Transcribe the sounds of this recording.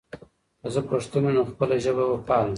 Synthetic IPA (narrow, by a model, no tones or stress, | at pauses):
əzəpəʂt̪unanaxpəlaʒəβawəpɑl